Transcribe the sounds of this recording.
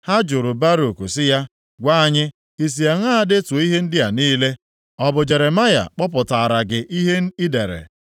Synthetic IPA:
ha˦d͡ʒʊ˨ɾʊ˨ba˦ɾo˨ku˨sɪ˦ja˦ | ɡʷa˦˨ɲɪ˦ | i˨s̬i˨a˨ŋ˦a˦a˦dɪ˦tu˨˦i˦ɦe˦n̩˦dɪ˦ja˨niː˦le˦ | ɔ˨bʊ˨d͡ʒe˨ɾe˨ma˦ja̰˨k͡pɔ˦p̬ʊ˨ta˨a˨ɾa˨ɡɪ˨ʔi˦ɦe˦n̩˦i˦de˨ɾḛ˨

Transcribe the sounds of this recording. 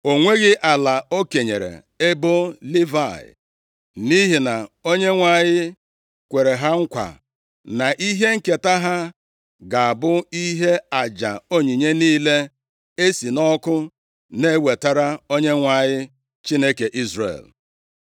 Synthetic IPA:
o˨ŋʷe˦ɣɪ˦ʔa˨la˨o˦ke˨ɲḛ˨ɾḛ˨ | e˦bo˦li˦va˨ɪ̰˨ | ni˦ɦi˨na˨o˦ɲe˦ŋʷa˨ɲɪ˦ | kʷe˨ɾe˨ɦa˦ŋ̩˦kʷa̰˨ | na˨ʔi˦ɦe˦ŋ̩˦ke˨ta˦ɦa˦ | ɡa˨a˨bʊ˦i˦ɦe˦a˨d͡ʒa̰˨o˦ɲi˨ɲe˦niː˦le˦ | e˦si˨nɔ˦kʊ˦ | ne˦˨we˨ta˦ɾa˦o˦ɲe˦ŋʷa˨ɲɪ˦ | t͡ʃi˦ne˦ke˨ʔi˦zrḛ˨l

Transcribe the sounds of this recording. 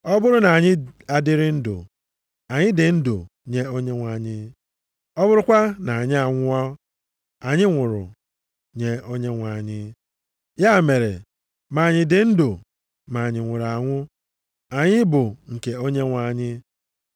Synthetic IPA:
ɔ˦bʊ˦ɾʊ˦na˨a˨ɲɪ˦a˨dɪ˦ɾɪ˦n̩˦dʊ̰˨ | a˨ɲɪ˦dɪ˨n̩˦dʊ̰˨ | ɲe˦o˦ɲe˦ŋʷa˨ɲɪ˦ | ɔ˦bʊ˦ɾʊ˦kʷa˦na˨a˨ɲɪ˦a˨ŋʷʊ˦ɔ˦ | a˨ɲɪ˦ŋʷʊ˨ɾʊ̰˨ | ɲe˦o˦ɲe˦ŋʷa˨ɲɪ˦ | ja˦˨me˨ɾḛ˨ | ma˨ɲɪ˨dɪ˨n̩˦dʊ˨ | ma˨ɲɪ˨ŋʷʊ˨ɾa˨ŋʷʊ˦ | a˨ɲɪ˦bʊ˨ŋ̩˨ke˨o˦ɲe˦ŋʷa˨ɲɪ˦

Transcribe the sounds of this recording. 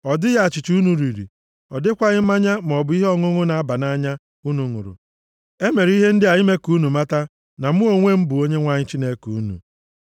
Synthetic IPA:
ɔ˨dɪ˦ja˦a˨t͡ʃi˨t͡ʃu˦nu˨ɾi˨ɾḭ˨ | ɔ˨dɪ˦kʷa˦ɣɪ˦ma˦ɲa˦m̩˨ɔ˨bʊ˨˦i˦ɦɔ˦ŋʊ˦ŋʊ˦na˨a˦ba˨na˦ɲa˦ | u˦nu˨ŋʊ̰˨ɾʊ̰˨ | e˦me˨ɾi˦ɦe˦n̩˦dɪ˦a˨jɪ˦me˦ku˨˦nu˨ma˦ta˦ | na˨m̩˦u˦o˦ŋʷe˦m̩˦bʊ˨o˦ɲe˦ŋʷa˦ɲɪ˦t͡ʃi˦ne˦ku˨u˦nṵ˨

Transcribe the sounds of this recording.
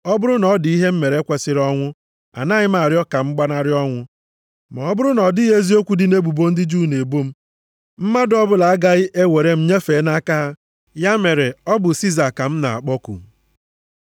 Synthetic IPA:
ɔ˦bʊ˦ɾʊ˦nɔ˨˦di˦ɦe˦m̩˦me˨ɾe˦kʷe˨sɪ˦ɾɔ˦ŋʷʊ˦ | a̰˨na˦ɲɪ˦m˦a˨ɾɪ˦ɔ˦ka˨ŋ͡m̩˦ɡ͡ba˦na˦ɾɪ˦ɔ˦ŋʷʊ˦ | ma˨ɔ˦bʊ˦ɾʊ˦nɔ˨dɪ˦ɦe˦zi˦o˦kʷu˨dɪ˦ne˦ɡ͡bu˨bo˦n̩˦dɪ˦d͡ʒuː˦˨ne˨bo˦m̩˦ | m̩˦ma˦dɔ˦bʊ˦la˨a˦ɡa˦ɣɪ˦ʔe˦we˨ɾe˦m̩˦ɲe˦fe˨˦na˦ka˦ɦa˦ | ja˦me˨ɾe˨ɔ˦bʊ˨si˦za˨ka˨m̩˦na̰˨a̰˨k͡pɔ˦kṵ˨

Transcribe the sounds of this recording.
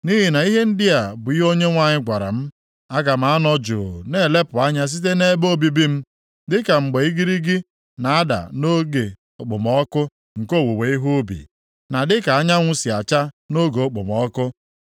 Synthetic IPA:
ni˦ɦi˨na˨i˦ɦe˦n̩˦dɪ˦a˨bʊ˨i˦ɦo˦ɲe˦ŋʷa˦ɲɪ˦ɡʷa˨ɾa̰˨m̩˦ | a˦ɡa˨m̩˦a˨a˦nɔ˦d͡ʒṵ˨ne˨le˦pʊ˨a˦ɲa˦s̬i˦t̬e˦ne˦bo˦bi˦bi˦m̩˦ | dɪ˦ka˨ŋ͡m̩˨ɡ͡be˨i˦ɡi˦ɾi˦ɡi˦ | na˨a˦da̰˨no˦ɡe˨ | ʊ˨k͡pʊ˨mɔ˦kʊ˦ | ŋ̩˨ko˦˨wo˨we˨i˦ɦu˦bḭ˨ | na˨dɪ˦ka˨a˦ɲa˦ŋʷʊ˦si˨a˨t͡ʃa˦ | no˦ɡe˨ʊ˦k͡pʊ̰˨mɔ˨˦kʊ˦

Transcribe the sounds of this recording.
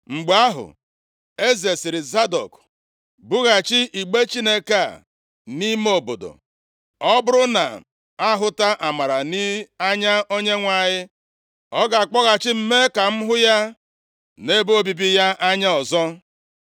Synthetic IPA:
ŋ͡m̩˨ɡ͡ba˦ɦʊ̰˨ | e˦ze˨sɪ˨ɾi˨za˦dɔ̰˨k | bʊ˦ɣa˨t͡ʃɪ˦ʔi˨ɡ͡be˦t͡ʃi˦ne˦ka˦˨ | ni˦m˦o˨bo˨do̰˨ | ɔ˦bʊ˦ɾʊ˦na̰˨ | a˦ɦʊ˦ta˦ʔa˨ma˨ɾa˨ni˦a˦ɲa˦ʔo˦ɲe˦ŋʷa˨ɲɪ˦ | ɔ˦ɡa˨a˨k͡pɔ˦ɣa˨t͡ʃɪ˦m̩˦me˦ka˨m̩˦ɦʊ˦ja˦ | ne˦bo˦bi˨bi˦ja˦a˦ɲa˦ɔ˨zɔ˦

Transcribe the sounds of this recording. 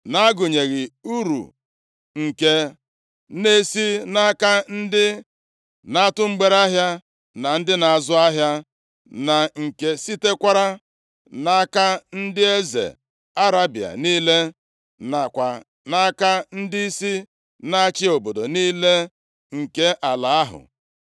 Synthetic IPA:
na˦a˦ɡʊ˨ɲe˨ɣɪ˨u˦ɾṵ˨ | ŋ̩˨ke˨ | ne˦si˦na˦ka˦n̩˦dɪ˦ | na˦tʊ˦ŋ͡m̩˦ɡ͡be˦ɾa˦ɦja˦ | na˨n̩˦dɪ˦na˨a˨zʊ˦a˦ɦja˦ | na˨ŋ̩˨ke˨si˦te˦kʷa˦ɾa˦ | na˦ka˦n̩˦dɪ˦e˦zḛ˨ | a˦ɾa˦bi˨a̰˨niː˦le˦ | na˨kʷa˨ | na˦ka˦n̩˦dɪ˦si˦ | na˦t͡ʃɪ˦o˨bo˨do˨niː˦le˦ | ŋ̩˨ke˦ʔa˨la˨a˦ɦʊ̰˨

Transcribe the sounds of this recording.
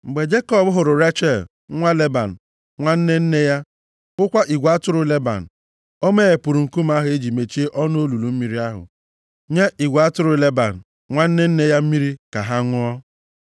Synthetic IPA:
ŋ͡m̩˨ɡ͡be˨d͡ʒe˦kɔ˦bɦʊ˨ɾʊ˨ɾa˦t͡ʃe˨l | ŋʷa˦le˦ba˨n̩˨ | ŋʷa˦n̩˦ne˦n̩˦ne˦ja˦ | ʊ˦kʷa˦ʔi˨ɡʷa˦tʊ˦ɾʊ˨le˦ba̰˨n̩˨ | o˦me˦e˨pu˨ɾu˨ŋ̩˨ku˦m̩˦a˦ɦʊ˨˦e˦d͡ʒi˨me˨t͡ʃi˦e˦ʔɔ˦no˦lu˨lu˨m̩˦mi˨ɾi˦a˦ɦʊ̰˨ | ɲe˦ʔi˨ɡʷa˨a˦tʊ˦ɾʊ˨le˦ba̰˨n̩˨ | ŋʷa˦n̩˦ne˦n̩˦ne˦ja˦m̩˦mi˦ɾi˦ka˨ɦa˦ŋʷʊ˦ɔ˦

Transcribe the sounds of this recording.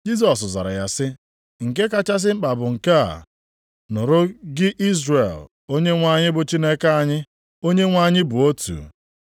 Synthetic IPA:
d͡ʒi˦s̬ɔ˨s̬za˨ɾa̰˨ja˦sɪ˦ | ŋ̩˨k̬e˦ka˦t͡ʃa˦s̬ɪ˦ŋ͡m̩˦k͡pa˨bʊ˨ŋ̩˨ka̰˦˨ | nʊ˨ɾʊ˦ɡɪ˦ʔi˦zɾe˨l | o˦ɲe˦ŋʷa˦˨ɲɪ˦bʊ˨t͡ʃi˦ne˦ka˦a˦˨ɲɪ˦ | o˦ɲe˦ŋʷa˦ɲɪ˦bʊ˨o˦tṵ˨

